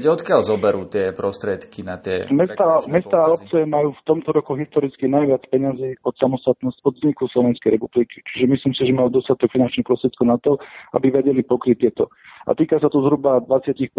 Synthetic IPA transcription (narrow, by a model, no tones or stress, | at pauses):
ɛɔt̪kɪalzɔbɛɾuːt̪ɪɛpɾɔst̪ɾɪɛt̪kinat̪ɪɛ̰mɛst̪amɛst̪aːɔp̚t͡sɛɛmajuːft̪ɔmt̪ɔɾɔkuɦist̪ɔɾit͡skinajʋɪat͡spɛɲaziːɔt̪samɔst̪at̪nɔscɔd̪zɲikuslɔʋɛnskɛjɾɛpublikit͡ʃi̥ʒɛmislimsiʒɛmald̪ɔst̪at̪ɔkfinant͡ʃnixpɾɔst̪ɾɛt̪̚kɔʊnat̪ɔa̰biʋɛɟɛlipɔkɾit̪ːɪɛt̪ɔ | a̰t̪iːkasat̪ɔzɦɾubad̪ʋat͡sɪacix